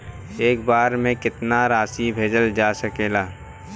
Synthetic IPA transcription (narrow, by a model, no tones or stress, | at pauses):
eːk̚baːɾmẽkɪt̪naɾaːsibʱeːd͡ʒəld͡ʒaːsəkeːlaː